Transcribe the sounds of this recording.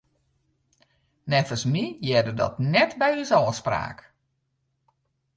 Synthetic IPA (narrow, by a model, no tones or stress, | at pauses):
nɛtəsmijɛdədɔ̰tnɛtbɛjysɔːspra̰ːk